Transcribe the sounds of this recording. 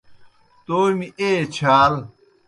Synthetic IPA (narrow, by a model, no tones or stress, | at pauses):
t̪oːjmieːt͡ɕʰaːl